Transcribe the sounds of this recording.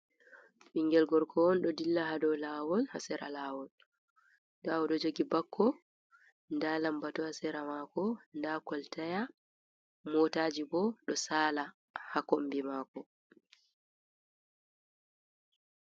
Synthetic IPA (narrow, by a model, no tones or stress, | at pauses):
ɓiŋɡɛlɡɔɾkʰɔɔnɗɔdilːaɦaɗɔlaːwɔlha̰sɛɾʔa̰laːwɔl | dawɔɗɔd͡ʒoɡibakʰːɔ | ndalambatɔhasɛɾamakɔndakɔltaja | mɔtaːd͡ʒibɔɗɔsaːla | hakombimaːkɔ